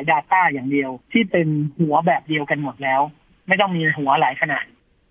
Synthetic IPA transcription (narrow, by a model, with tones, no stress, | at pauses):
jdaː˧t̪aː˥˩jaː˨˩ŋdi˧əwt̪ʰiː˥˩pe˧nhu˩˦ɐbɛː˨˩p̚di˧əwka˧nmo˨˩t̪̚lɛː˦˥w | ma˥˩jt̪ɔ˥˩ŋmiː˧ɦu˩˦ɐlaː˩˦jkʰa˧na̰ː˨˩t̪̚